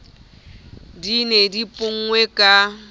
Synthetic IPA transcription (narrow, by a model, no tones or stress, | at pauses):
dinedipʼʊŋ̩ŋwekʼa